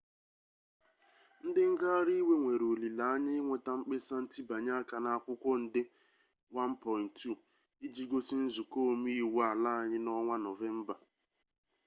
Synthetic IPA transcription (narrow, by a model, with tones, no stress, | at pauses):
n̩˦dɪ˦ŋ̩˦ɡa˦a˦ɾi˦we˦ŋʷe˨ɾo˨li˨la˨a˦ɲɪ˦ŋʷe˨ta˨ŋ͡m̩˦k͡pe˦sa˦n̩˦ti˦ba˨ɲa˦a˦ka˨na˨a˨kʷʊ˦kʷɔ˦n̩˨dɪ˦ | wa˦n̩˦pʰɔ˨ɪ˨ntːu˦˨ | i˦d͡ʒi˦ɡo˦si˦n̩˦zu˨ko˦˨m˦i˦i˦˨wa˨la˦a˨ɲɪ˦nɔ˦ŋʷa˦nɔ˨ve˦m̩˦ba˨